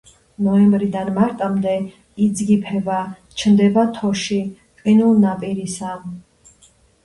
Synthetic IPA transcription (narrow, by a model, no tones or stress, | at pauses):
nɔɛmbɾid̪anmaɾt̪ʼamd̪ɛ | id̪zɡipʰɛba | t͡ʃʰnd̪ɛbat̪ʰɔʃi | qʼinulˠnapʼiɾisa